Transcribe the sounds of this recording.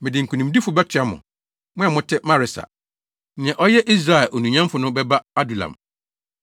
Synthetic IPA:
mɪ̃˨dɪ˨ŋ̩˨kʰu˨nĩ˨m˦di˦fʊ˨bɛ˦tʰɪ˨a˦mʊ̰̃˨ | mʊ̃˦ɛ˨mʊ̃˦tʰɪ˦mã˦ɾɪ˨sa̰˨ | nɪ̃˨ɛ̃˨ʔɔ˦jɛ˦ʔi˦s̬ɾa˦˨ɛ˨lʔo˨nũ˨ɲã˦m˦fʊ˨nʊ̃˦bɛ˦ba˦a˦du˨lã̰˨m

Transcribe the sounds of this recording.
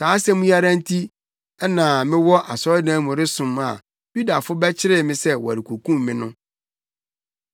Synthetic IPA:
saː˨˦sɛ˦mũ˦ja˦ɾã˦n̩˦tʰi˦ | ɛ˦nã˨mɪ̃˦wɔ˦ʔa˨sɔ˦dãː˨˦mʊ̃˨ɾɪ˦sʊ̃˨ma̰˨ | ju˦da˨fʊ˦bɛ˦t͡ɕʰɪ˦ɾɪ˦mɪ̃˦sɛ˦wɔ˨a˨ɾi˨kʰu˨kʰũ˦mːɪ̃˦nʊ̃˦

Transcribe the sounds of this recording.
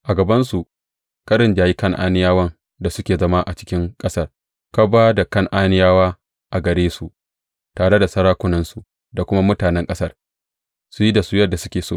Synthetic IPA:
ʔa˨ɡɐ˨bɐ˦nsu˨ʔ | ka˦ɽɪ˨nd͡ʒaː˨ji˦kɐ˦ŋʔa̰ː˦nɪ˦jaː˦wɐ˦ŋ | da˨sʊ˦kʲeː˨zɐ˦ma˦ʔa˨t͡ʃɪ̥˦kʲɪ˦ŋkʼɐ˦sɐ˦r | ka˦baː˦da˨kɐ˦˨ŋʔaː˦nɪ˦jaː˦waː˦ | ʔa˨ɡɐ˨ɽeː˦su˨ʔ | taː˨ɽe˦da˨sɐ˦ɾaː˦kʷʊ˦nɐ˦nsu˨ | da˨kʷʊ˦ma˦mʊ˦taː˨nɛ˦ŋkʼɐ˦sɐ˦˨r | su˦ji˦da˨su˦jɐ˦da˨sʊ˦kʲeː˨soː˦˨

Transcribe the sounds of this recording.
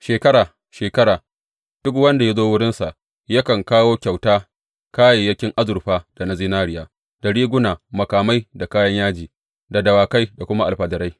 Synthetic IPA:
ʃeː˨kɐ˦ɾaː˨ | ʃeː˨kɐ˦ɽaː˨ | d̥ʊ˦kwɐ˦nda˨ja˦zoː˦wʊ˦ɽɪ˦nsa˨ʔ | jɐ˦kɐ˨ŋkaː˦woː˦kʲa˨wtaː˦ | kaː˦jeː˨jɐ˦kʲɪ˦ŋʔa˦zʊ˨ɾɸaː˦d̥a˨na˦ziː˦naː˦ɽɪ˦jaː˦ | d̥a˨ɽiː˦ɡʷʊ˦naː˨mɐ˨kaː˨ma˦jda˨kaː˦jɐ˦ɲjaː˦d͡ʒiː˨ | da˨dɐ˨waː˨ka˦jda˨kʷʊ˦ma˦ʔa˨lɸɐ˨dɐ˨ɾa˦j

